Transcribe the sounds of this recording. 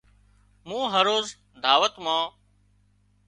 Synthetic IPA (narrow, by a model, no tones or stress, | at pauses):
mũːɦəɾoːz | d̪ʱaːʋət̪mãː